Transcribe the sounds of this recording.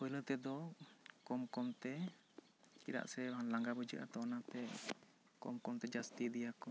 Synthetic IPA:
pɔjlət̪ɛd̪ɔkɔmkɔmt̪ɛ | kiɾa̰ʔsɛɦanlaŋɡabəd͡ʒə̰ʔa̰t̪ɔnat̪ɛ | kɔ̰mkɔmt̪ɛd͡ʒast̪id̪ijakɔ

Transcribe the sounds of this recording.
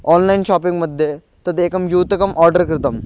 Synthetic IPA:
ɔnlɐinɕɔːp̬iŋɡməd̪ʱje | t̪ɐd̪eːkɐmjuːt̪ɐkɐmʔɔːɾɖəɾkɾɪt̪ɐm

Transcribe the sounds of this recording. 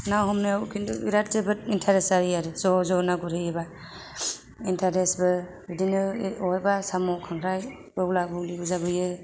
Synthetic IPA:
nawɦɔmnɯawkʰinduḭɾat̚tɯbɯt̚intʰaɾesaɾijaɾɯzɔzɔnaɡuɾɯjeba | intʰaɾesbɯ | bidinɯɔjbasamɔkʰaŋɾaj | ɔɡlabɔliuzabɯjɯ

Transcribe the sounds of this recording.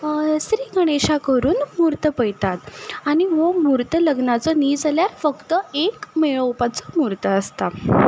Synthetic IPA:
sɾiːɡʱəɽ̃eɕakəɾuːnmuɾt̪əpəjt̪at̪aɽ̃iʋomuɾt̪ələɡnat͡sɔniːd͡zəljaɾfəkt̪əekmeɭəwpat͡sɔ̥muɾt̪əəst̪a

